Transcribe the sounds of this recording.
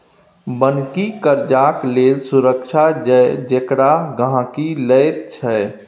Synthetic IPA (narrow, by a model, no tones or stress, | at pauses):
bənkikəɾd͡ʒaklelsuɾəkʃʰad͡ʒəd͡ʒekɽaɡãkiləjt̪̚t͡ʃʰɛ